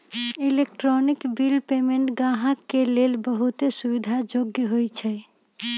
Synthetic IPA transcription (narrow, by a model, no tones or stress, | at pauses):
ilekʈɾonikbilpemeɳʈɡãɦãkːelelbəɦut̪esubid̪ʱad͡ʒoɡjəɦojt͡ʃʰɛ